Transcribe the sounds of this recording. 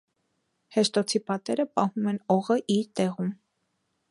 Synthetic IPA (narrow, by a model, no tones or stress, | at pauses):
hɛʃt̪ɔt͡sʰipɑt̪ɛɾəpɑhumɛnɔʁəʔiɾt̪ɛʁum